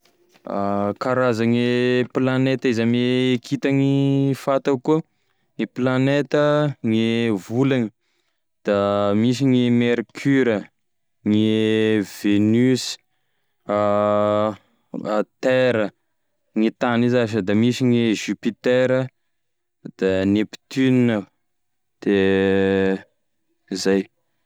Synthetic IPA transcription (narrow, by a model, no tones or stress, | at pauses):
akaɾazaŋeplanet̪əizameːkʰit̪aŋifat̪aku | ŋeplanet̪əŋevulani | d̪̥amis̬iŋemeɾkʰyɾə | ŋev̥enys | a | t̪eɾə | ŋit̪anizaʃəd̪amisiŋiʒypit̪eɾə | d̪̥anepi̥t̪yninə | d̪̥e | izaj